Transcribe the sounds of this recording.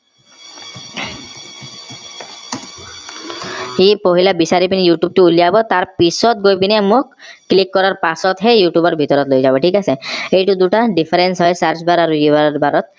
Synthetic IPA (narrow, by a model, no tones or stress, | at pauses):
epoɦilabisaɾipinijuʈjub̚ʈuulijabɔt̪aɾpisɔt̪̚ɡojpinɛmokː | likːɔɾaɾpasɔt̪ɦejuʈjubɔɾbʱit̪ɔɾɔt̪lojzabɔʈʰikaseejʈud̪uʈaɖipʰaɾensɦɔjsaɾt͡ʃbaɾaɾuibaɾɔɾbaɾɔt̪̚